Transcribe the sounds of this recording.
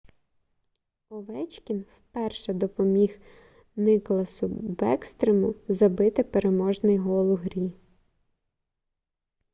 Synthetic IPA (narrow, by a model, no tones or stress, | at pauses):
ɔʋɛt͡ʃkʲinwpɛrʃɛd̪ɔpɔmʲix | nɪklˠɐsʊbɛkst̪ɾemʊzɐbɪt̪ɪpeɾemɔʒnɪjɦɔlˠʊɦɾʲi